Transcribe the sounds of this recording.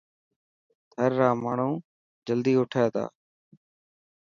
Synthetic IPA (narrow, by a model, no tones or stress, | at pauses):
t̪ʰəɾːaːmaːɳ̤ũː | d͡ʒəld̪iːʊʈʰaːt̪a̰ː